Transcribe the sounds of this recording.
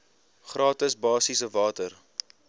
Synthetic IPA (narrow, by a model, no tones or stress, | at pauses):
χrɑːtəsbɑːsisəvɑːtər